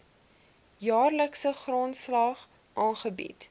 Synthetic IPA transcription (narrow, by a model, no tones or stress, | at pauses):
jɑːrləksəχrontslɑχ | ʔɑːnχəbḭt